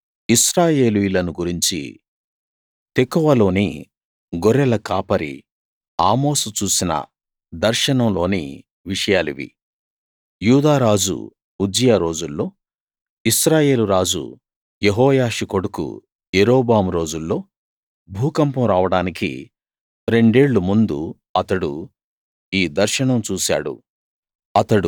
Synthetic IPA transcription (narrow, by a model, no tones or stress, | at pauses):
isɾaːje̞ːlujilɐnuɡuɾiɲt͡ʃḭ | t̪ekɔʋɐlo̞ːni | ɡɔɾɛlɐkaːpɐɾḭ | aːmo̞ːsut͡ʃuːsinɐ̰ | d̪ɐɾʃɐnɐmlo̞ːnḭ | ʋiʂɐjaːlḭʋḭ | juːd̪aːɾaːd͡ʒṵ | ud͡ʒijaɾo̞ːd͡ʒulːo̞ː | isɾaːje̞ːluɾaːd͡ʒṵ | jeɦɔːjaːʂiko̞ɽukṵ | jeɾoːbaːmuɾo̞ːd͡ʒulːo̞ː | bʱuːkɐmpɐmɾaːʋɐɽaːnikḭ | ɾe̞ɳɖe̞ːɭːumund̪ṵ | ɐt̪ɐɽṵ | iːd̪ɐɾʃɐɳɐmt͡ʃuːsa̰ːɽṵ | ɐt̪ɐɽu